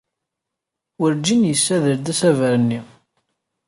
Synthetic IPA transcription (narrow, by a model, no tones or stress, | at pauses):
wəɾd͡ʒinjəsːæðəɾd̪æsævəɾənːi